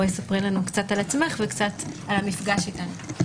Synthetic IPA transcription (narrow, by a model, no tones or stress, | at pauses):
jesapʁilanukt͡satalat͡sme̞χvekt͡sat̪alhamifɡaʃitanu